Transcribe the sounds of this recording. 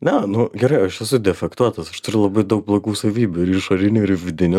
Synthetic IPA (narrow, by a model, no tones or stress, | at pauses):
nʲɛnʊɡʲɛɾɐɪɐʃɛsʊd̪ʲɛfʲɛkt̪uɔt̪ɐsɐʃt̪ʊɾʲʊlˠɐbɐɪd̪ɐʊk̚blˠoːɡuːsɐʋʲiːbʲuɪɾɪʃɐɾʲɪnʲuːɪɾɪʋʲɪd̪ʲɪnʲʊ